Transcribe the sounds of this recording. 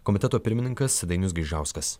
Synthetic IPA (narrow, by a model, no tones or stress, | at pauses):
kɔmʲɪt̪ʲɛt̪oːpʲɪɾʲmʲɪnʲɪŋkɐsd̪ɐɪnʲʊsɡʲɪʒʲæˑʊskɐs